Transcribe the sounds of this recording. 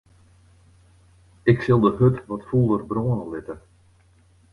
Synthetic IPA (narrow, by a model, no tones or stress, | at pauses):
ɪksɪlˠdəɦøtʋɔtfulˠərbroːənəʋɪtə